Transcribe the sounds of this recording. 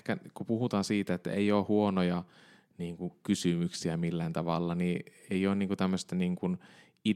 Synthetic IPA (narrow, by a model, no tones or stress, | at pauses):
kækupuhut̪ɑːnsiːt̪æet̪ːæ̰eijoːhuonojɑ | niːŋkukysymyksiæmilːænt̪ɑʋɑlːɑnieijoːnniːŋkut̪æmːøst̪æniːŋkun | i